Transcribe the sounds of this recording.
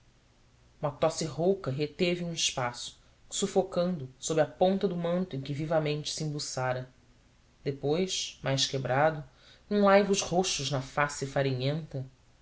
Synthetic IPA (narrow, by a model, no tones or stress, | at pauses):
ũmɐt̪ɔsɪɦowkɐɦet̪evɪũɪʃpasʊ̥ | sufokɐ̃nd̪ʊsobɾɪɐpõnt̪ɐd̪ʊmɐ̃nt̪ʊẽkʲɪvivɐmẽnt͡ʃɪ̥sɪĩbusaɾɐ | d̪epojʃmajʃkebɾad̪ʊ | ũlajvʊzhoʃʊʒnɐfasɪfaɾiɲẽnt̪ɐ